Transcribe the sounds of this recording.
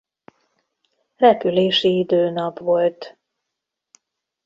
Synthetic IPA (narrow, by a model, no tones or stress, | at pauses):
rɛpyleːʃiid̪øːnɒpʋo̞lt̪